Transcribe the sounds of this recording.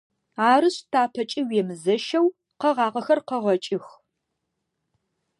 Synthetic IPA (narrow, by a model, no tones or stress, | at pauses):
aːɾɨɕtʰaːpʰɐt͡ʃʼiwɛmɨzɐʃɐw | qɐʁɑːʁɐxɐrqɐʁɐt͡ʃʼɪx